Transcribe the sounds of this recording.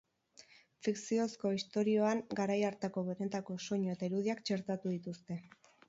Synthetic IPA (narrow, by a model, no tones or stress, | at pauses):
fiksio̞sko̞ist̪o̞ɾio̞aŋɡaɾajaɾt̪ako̞βe̞ne̞t̪ako̞so̞ɲo̞e̞t̪aiɾuð̞iakt͡ʃe̞ɾt̪at̪uðit̪ust̪e̞